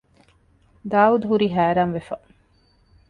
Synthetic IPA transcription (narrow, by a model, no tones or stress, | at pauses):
d̪aːud̪uɦuɾiɦæːɾaːnʋefɐʔ